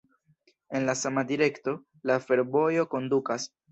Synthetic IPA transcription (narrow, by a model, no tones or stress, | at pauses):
e̞nlasamadiɾe̞kto̞ | lafe̞ɾbo̞jo̞ko̞ndukas